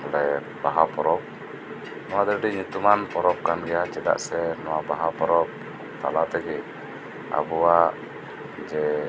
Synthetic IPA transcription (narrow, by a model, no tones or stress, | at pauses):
lɛ | b̥aɦapɔɾɔp̚ | nuad̪əɾdiɲut̪umanpɔɾɔp̚kanɡijat͡ʃɛla̰ʔsɛnuwabaɦapɔɾɔp̚ | t̪a̰lat̪ɛɡɛʔ | a̰bua | d͡ʒɛ